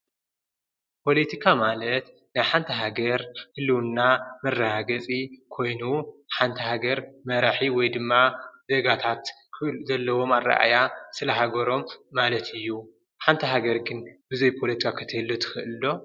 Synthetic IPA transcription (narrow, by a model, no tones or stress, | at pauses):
pʰo̞let̪ʰikʰamalɐt̪ | najħant̪ʰɐɦaɡɐɾhɨlːɨwnːamɐrːahaɡɐt͡sʼikʰo̞jnuħant̪ʰɐɦaɡɐɾmɐɾaħiwɔjd̪ɨmːazeɡat̪ʰat̪ | kzɐlːɐwo̞marːa̰ʔa̰jasɨlɐɦaɡɐɾo̞mːalɐt̪ʰɨjːu | ħant̪ʰɐɦaɡɐɾɡɨnbɨzɐjpʰolet̪ʰikʰakʰɨt̪ʰɨhɨlːot̪ʰɨ̥xɨʔɨlːo̞